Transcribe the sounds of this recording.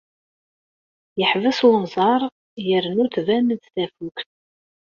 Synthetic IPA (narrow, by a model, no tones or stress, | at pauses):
jəħvəswnzˤɑɾˤ | jəɾnuθvænəd̪θæfukθ